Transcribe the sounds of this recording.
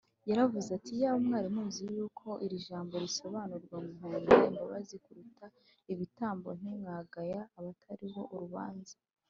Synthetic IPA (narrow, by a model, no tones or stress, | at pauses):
jaɾavuzatijaːβomŋaːɾimuːziijuːkʰo̞ʔiɾiʒaːmbo̞ɾiso̞βaːnuɾɡwamuŋunnḛmbaβazikuɾuta | iβitaːmbo̞̰niŋaɡajaːβatʰaɾiβo̞ʔuɾuβa̰ːnza